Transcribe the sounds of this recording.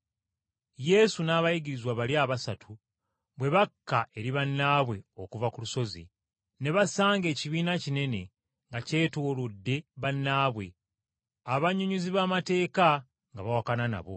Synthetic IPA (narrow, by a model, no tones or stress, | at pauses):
je̞sunaːβajiɡiɾizwaβaljaːβasatʰu | βwe̞βakːaʔe̞ɾiβanːaːβwe̞okuvakuluso̞zḭ | ne̞βasaːŋɡe̞ːciβiːnacine̞ne̞ | ŋɡace̞ːtoːlodːe̞βanːaːβwe̞̰ | aβaɲuɲuziβamate̞ːka | ŋɡaβawakanana̰βo̞̰